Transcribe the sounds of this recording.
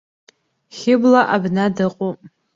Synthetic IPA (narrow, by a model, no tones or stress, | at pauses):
χʲɪblaʔabnadɨqʼu